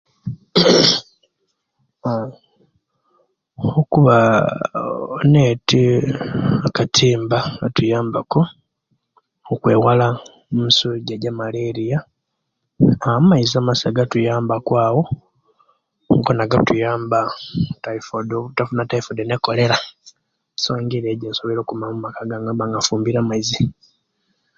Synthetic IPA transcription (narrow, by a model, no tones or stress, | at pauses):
okuβa | oneːti | akatʰiːmbaatujaːmbako | okwe̞ːwala | mumisuɟaɟamaleɾija | amaizamasaɡatujaːmbakwaːwo̞ | ŋkonaɡatujaːmbataifodotafunataifodeneko̞le̞ɾa | soːɲɡiɾeɟasoβiɾo̞ːkumamumakaɡaŋɡabaŋɡafuːmbiɾamaizi